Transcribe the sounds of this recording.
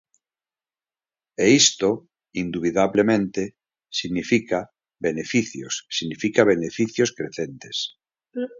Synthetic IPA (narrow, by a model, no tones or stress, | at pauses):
eist̪o | ind̪uβiðaβlemẽnt̪e | siɣnifika | βenefiθjo̰sːiɣnifikaβ̞enefiθjoskɾeθent̪es